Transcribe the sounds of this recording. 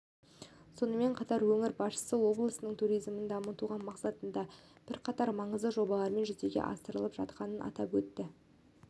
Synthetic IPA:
so̞nəme̞ɴqʰɑt̪ɑɾwɵŋɪɾbɑsʃə̥səwo̞blˠəsənəɴt̪ʰuɾijzmənd̪ɑmət̪uʁɑnmɑqsɑt̪ənd̪ɑb̥ɪɾqʰɑt̪ɑɾmɑɴəzd̪əʒo̞bɑlˠɑɾme̞nʒɵʏt̪e̞ɡʲḛʔɑ̰st̪əɾəlˠəpʒ̥ɑ̰t̪̚qɑnənʔɑ̰t̪ɑpwɵt̪ːɪ

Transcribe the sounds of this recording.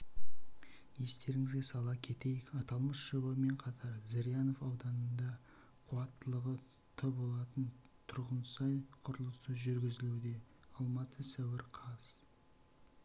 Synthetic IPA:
je̞st̪e̞ɾɪŋɪzɡʲe̞sɑlˠɑkʲʰe̞t̪e̞jɪkɑt̪ɑlˠməsʃəbəme̞ɴqʰɑt̪ʰɑɾzɪɾjano̞fɑwd̪ɑnənd̪ɑ | qʰʊɑt̪ːəlˠəʁə | t̪ʰəbo̞lˠɑt̪ən | t̪ʰʊɾʁənsɑjqʰʊɾəlˠəsəʒʏɾɡʲɪzɪlud̪e̞ | ɑlˠmɑt̪ʰəsæwɪɾqʰɑz̥

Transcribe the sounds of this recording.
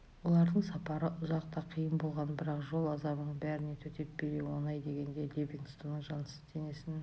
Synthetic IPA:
wo̞lˠɑɾd̪əɴsɑpɑɾəʔʊzɑq̚t̪ɑqʰijəmbolˠʁɑnbɪɾɑqʒo̞lˠɑzɑməɴbæɾɪne̞t̪ʰɵt̪ʰe̞p̚be̞ɾewo̞nɑjd̪e̞ɡʲe̞nd̪e̞lʲevʲiŋɡ̪st̪unəɴʒɑnəsə̥zt̪ʰe̞ne̞sɪn

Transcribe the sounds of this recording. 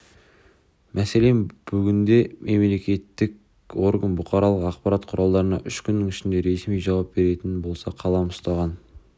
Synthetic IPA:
mʔæse̞le̞mb̥ʏɡʲɪnd̪e̞me̞mle̞kʲe̞t̪ːɪkʲ | wo̞ɾɡənbʊqɑɾɑlˠəqɑqpɑɾɑt̪qʰʊɾɑlˠd̪ɑɾənɑ̰ʔʏʃkʲʰʏnːɪŋɪʃɪnd̪e̞ɾe̞smijʒɑwɑp̚be̞ɾe̞t̪ɪnbo̞lˠsɑqʰɑlˠɑmʊst̪ɑʁɑn

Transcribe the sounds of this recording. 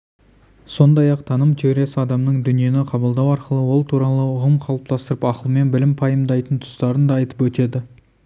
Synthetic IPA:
so̞nd̪ɑjɑq̚t̪ʰɑnəmt̪ʰeeɾʲesɪɑd̪ɑmnəɴd̪ʏnije̞nɪqʰɑbəlˠd̪ɑwɑɾqəlˠəwo̞lˠt̪ʰuɾɑlˠəʊʁəmqʰɑlˠəp̚t̪ɑst̪əɾəpɑqəlˠəme̞nbɪlɪmpʰɑjəmd̪ɑjt̪ənt̪ʰʊ̥st̪ɑɾənd̪ɑːjt̪əpwɵt̪e̞d̪ɪ

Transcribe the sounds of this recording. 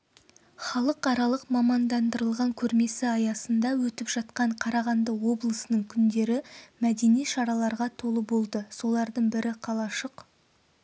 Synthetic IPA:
χɑlˠəqɑɾɑlˠəqmɑmɑnd̪ɑnd̪əɾəlˠʁɑŋkʲʰɵɾme̞sɪɑjɑsənd̪ɑwɵt̪ɪpʒ̥ɑt̪qɑɴqʰɑɾɑʁɑnd̪əwo̞blˠəsənəɴkʲʰʏnd̪e̞ɾɪmæd̪e̞nijʃɑɾɑlˠɑɾʁɑt̪ʰo̞lˠəbo̞lˠd̪əso̞lˠɑɾd̪əɴbɪɾʔɪqʰɑlˠɑʃəq

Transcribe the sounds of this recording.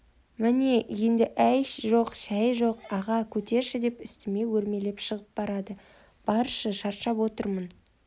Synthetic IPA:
mɪne̞je̞nd̪ɪʔæjʃʒoqʃæjʒo̞qɑʁɑkʲʰɵt̪e̞ɾʃɪd̪e̞pʏst̪ɪme̞wɵɾme̞le̞pʃəʁəp̚bɑɾɑd̪ə | b̥ɑɾʃəʃɑɾt̪ʃɑpwo̞t̪əɾmən

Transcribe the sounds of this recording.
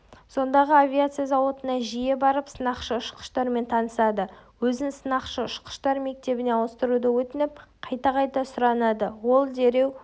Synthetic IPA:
so̞nd̪ɑʁəavʲiat̪sɨjazɑwo̞t̪ənɑʒije̞bɑɾəpsənɑqʃəʊʃqə̥ʃt̪ɑɾme̞nt̪ʰɑnəsɑd̪əwɵzɪnsənɑqʃəʊʃqə̥ʃt̪ɑɾme̞k̚t̪e̞bɪne̞ɑwəst̪əɾud̪əwɵt̪ɪnɪp̚qʰɑjt̪ɑqʰɑjt̪ɑsʊɾɑnɑd̪əwo̞lˠd̪e̞ɾe̞w

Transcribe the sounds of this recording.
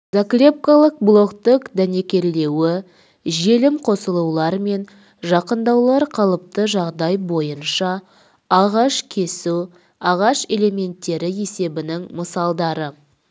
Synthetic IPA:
zakrʲe̞p̚kalˠəq̚blˠo̞kt̪əkd̪æne̞kʲe̞ɾle̞wɪ | ʒe̞lɪmqʰo̞səlˠuwlˠɑɾme̞n | ʒɑqənd̪ɑwlˠɑɾqʰɑlˠəp̚t̪əʒɑʁd̪ɑjbo̞jənʃɑ | ɑʁɑʃkʲʰe̞su | ɑʁɑʃe̞le̞mʲe̞nt̪ːe̞ɾɪje̞se̞bɪnɪŋməsɑlˠd̪ɑɾə

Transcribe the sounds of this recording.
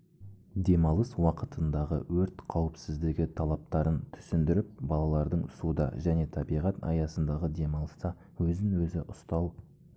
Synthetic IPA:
d̪e̞mɑlˠəswɑqət̪ənd̪ɑʁə̰wɵɾt̪qʰɑwɪpsɪzd̪ɪɡʲɪt̪ʰɑlˠɑp̚t̪ɑɾənt̪ʰʏ̥sɪnd̪ɪɾɪp̚bɑlˠɑlˠɑɾd̪əɴsud̪ɑ̰ʒæne̞t̪ʰɑbijʁɑt̪ɑ̰jɑsənd̪ɑʁəd̪e̞mɑlˠəst̪ɑ | wɵzɪŋwɵzɪʔʊst̪ɑlˠ

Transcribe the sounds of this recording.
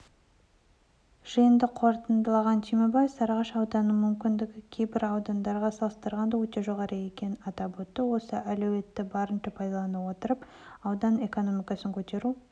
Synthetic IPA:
ʒ̥əjənd̪əqʰo̞ɾt̪ənd̪əlˠɑʁɑnt̪ʰijmo̞bɑjsɑɾʁɑʃɑwd̪ɑnəmʏmkʲɪnd̪ɪɡʲɪkʲʰejbɪɾɑwd̪ɑnd̪ɑɾʁɑsɑlˠəst̪əɾʁɑnd̪əwɵt̪e̞ʒo̞ʁɑɾəje̞kʲe̞nɑt̪ɑpwɵt̪ːɪwo̞səʔælɵwe̞t̪ːɪbɑɾənʃɪpʰɑjd̪ɑlˠɑnəwo̞t̪əɾəp | ɑwd̪ɑne̞ko̞no̞mijkɑsəŋkʲʰɵt̪e̞ɾu

